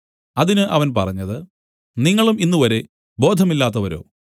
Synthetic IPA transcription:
ɐðinɨʔɐʋɐnpɐrɐɲːɐðɨ | niŋːɐɭuminːuʋɐɾe̞ | bo̞ːd̪ʱɐmilːaːt̪ːɐʋɐɾo̞̰ː

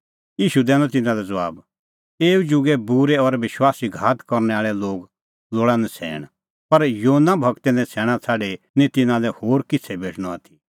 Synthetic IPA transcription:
jiːʃud̪ɛːlɔ̃t̪̬ɪnãlɛd͡zɐʋaːb | eːud͡ʒʊɡɛbuɾɛɔɾʋɪʃwaːsiɡʱaːt̪kɔɾnɛaːɭɛloːɡ | loːɽãnɛ̃t͡sʰɛ̰ːɽ̃ | pɐɾjonabʱɐkt̪ɛnɛ̃t͡sʰɛːɽ̃ãt͡sʰaːɖe | nĩt̪ɪnãlɛhoːɾkɪt͡sʰɛbeːʈʰɽ̃ɔaːt̪ʰi̥

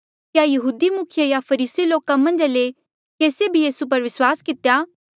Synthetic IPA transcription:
kjajɐɦuːd̪imʊkʰjəjapʰɐɾiːsiloːkamɐ̃nd͡ʒale | keːsebʱijiːsup̬ɐɾʋɪswaːskɪt̪ejaː

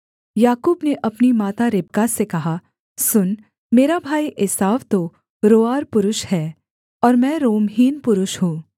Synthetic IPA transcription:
jaːkuːbneʔɐpnimaːt̪aɾɪb̚kasekɐɦa | sʊn | meːɾabʱaːiʔɪsaːʋt̪o | ɾoːaːɾpʊɾʊʃhɛː | ɔːɾmɛ̃ɾoːmɦiːnpʊɾʊʃɦũː

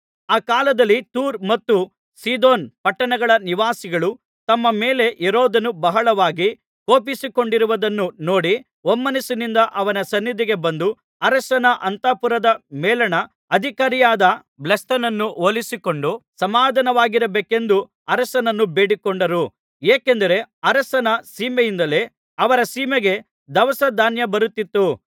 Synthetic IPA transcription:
aːkaːlɐd̪ɐlːit̪uːɾmɐt̪ːu | siːd̪o̞ːnpɐʈːɐɳɐɡɐɭɐniʋaːsiɡɐɭu | t̪ɐmːɐmeːle̞ʔɛɾoːd̪ɐnubɐɦɐɭɐʋaːɡi | koːpisiko̞ɳɖiɾuʋɐd̪ɐnːunoːɽi | omːɐnisinind̪ɐʔɐʋɐnɐsɐnːid̪iɡe̞bɐnd̪u | ɐɾɐsɐnɐʔɐnt̪aːpuɾɐd̪ɐmɛːlɐnɐ | ɐd̪ʱikaːɾijaːd̪ɐ | blɐst̪ɐnɐnːuʔoːlisiko̞ɳɖusɐmaːd̪ʱɐnɐʋaːɡiɾɐbeːke̞nd̪u | ɐɾɐsɐnɐnːubeːɽikoɳɖɐɾu | eːkend̪ɐɾe̞ɐɾɐsɐnɐsiːmejind̪ɐle̞ː | ɐʋɐɾɐsiːmeɡe̞ | d̪ɐʋɐsɐd̪ʱaːnjɐbɐɾut̪ːit̪ːu

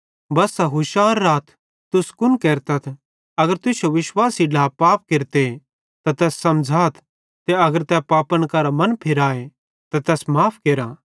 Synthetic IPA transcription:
bɐsaɦʊʃaːɾːaːt̪ʰ | t̪ʊskʊnkeːɾt̪ɐt̪ʰ | ɐɡəɾt̪ʊsjoʋɪʃwaːsiɖaːpaːp̚keɾt̪e | t̪at̪ɛːsːɐmd͡ʒʱaːt̪ʰ | t̪eɐɡəɾt̪ɛːpaːpəɽ̃kɐɾamɐnpʰɪɾaːe | t̪at̪ɛːsmaːpʰkeːɾaː

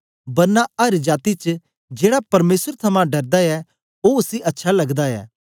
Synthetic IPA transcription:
bɐɾnaʔɐɾd͡ʒaːt̪it͡ʃ | d͡ʒeːɽapɐɾmeːsəɾt̪ʰɐmãɖɐɾd̪aɛ | oʊsiʔɐtːʃʰalɐɡd̪aɛ̰ː

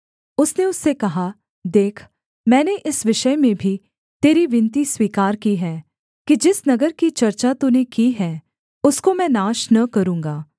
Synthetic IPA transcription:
ʊsneʊsːekɐɦa | d̪eːkʰ | mɛ̃ːneʔɪsʋɪʃəjmẽbʱi | t̪eːɾiʋɪ̃nt̪iswiːkaːɾkiɦɛː | kid͡ʒɪsnɐɡəɾkit͡ʃɐɾt͡ʃat̪unekiɦɛː | ʊskomɛ̃ːnaːʃnɐkɐɾũːŋɡaː

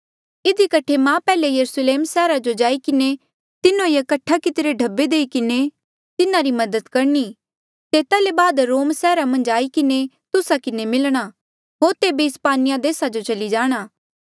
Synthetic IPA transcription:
ɪd̪ikɐʈʰemãːpɛːlejɐɾusleːmsɛːɾad͡ʒod͡ʒaːikɪne | t̪ɪnõjakɐʈʰːakɪt̪ɾeɖʱɐbːed̪eːikɪne | t̪ɪnaɾimɐd̪ət̪kɐɾni | t̪eːt̪alebaːd̪ɾoːmsɛːɾamɐ̃nd͡ʒaːikɪne | t̪ʊsakɪnemɪlɽ̃a | ɦoːɾt̪eːbiɪspaːnɪjad̪eːsad͡ʒot͡ʃɐlid͡ʒaːɽ̃aː

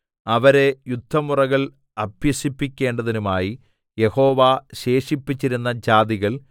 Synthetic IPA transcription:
ɐʋɐɾe̞jud̪ʱːɐmurɐɣɐɭ | ɐbjɐɕipːikʲːe̞ːɳɖɐðinumaːji | je̞ho̞ːʋaɕe̞ːʂipːit͡ɕːiɾunːɐd͡ʑaːðiɣɐɭ

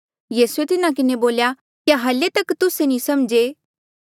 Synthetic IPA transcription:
jiːsuet̪ɪnak̬ɪneboːlja | kjaɦɐlet̪ɐkt̪ʊsenĩsɐmd͡ʒeː

